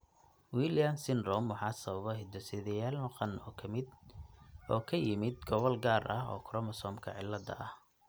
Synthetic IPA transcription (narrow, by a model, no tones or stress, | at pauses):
wiljamsɪnrɔmwɑħɑːsɐβɐβɔɦɪd̪ɐsɪðɛjaːlmʊqɑnːʰ | ɔːkʰɐjɪmɪd̪̚ɡɔβɔlɡaːrʔɐɦɔ̰ːkʰɾɔmɐsɔmkʰɐ̰ʕɪ̰lːɐd̪ɐ̰ʔɐh